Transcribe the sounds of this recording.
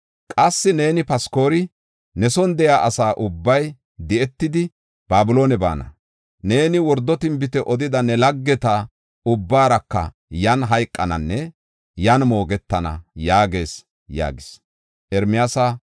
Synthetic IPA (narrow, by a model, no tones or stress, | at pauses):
kʼɐsːɪne̞ːnɪpɐsko̞ːɾɪ | nɛsɔnd̪ɛjaːʔɐsaːʔʊbːɐj | d̪ɛɛt̪ːɪd̪ɪ | b̥aːbʊlo̞ːnɛba̰ːnɐ | ne̞ːnɪwɔɾd̪ːɔt̪ɪmbɪt̪ɛʔɔd̪ɪd̪ɐnɛlɐɡːɛt̪a | ʊbːaːɾɐkːɐ̰ | jɐnɦɐjkʼːɐnɐnːɛ | jɐnmo̞ːɡɛt̪ːɐnɐ̰jaːɡe̞ːs | ja̰ːɡɪs | ʔɛɾmɪjaːsa